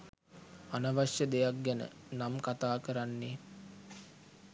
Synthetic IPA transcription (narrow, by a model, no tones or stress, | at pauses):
anəʋaʃjəd̪ejak̚ɡænə̰namkat̪aːkəɾanːe